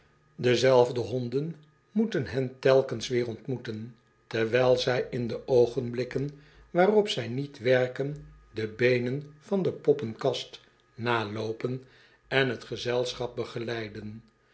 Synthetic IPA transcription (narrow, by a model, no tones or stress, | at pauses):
dəzɛlˠvdəɦɔndən | mutənɦɛntɛlˠkənsʋɪːrɔntmutən | tɛɹʋɛjlˠzɛjɪndəowχənblɪkən | ʋaːrɔpsɛjnitʋɛɹkəndəbejnənv̥ɑndəpɔpənkɑst | naːlowpən | ɛnɦətχəzɛlˠsχɑp̚bəχəlɛjdən